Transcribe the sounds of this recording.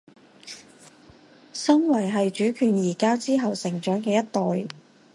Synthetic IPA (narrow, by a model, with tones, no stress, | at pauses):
sɐ˥ŋwɐ˨˩jɦɐ˨jt͡ʃyː˨˥kʰyː˨njiː˨˩kaː˥wt͡siː˥ɦɐ˨wsɪ˨˩ŋt͡ʃœː˨˥ŋkɛː˧jɐ˥t̚t̪ɔː˨j